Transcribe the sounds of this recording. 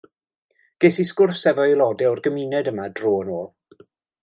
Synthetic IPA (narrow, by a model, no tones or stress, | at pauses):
ɡ̥esiskʊrsɛvɔjlˠɔdɛʊrɡəminɛdəmadroːnoːlˠ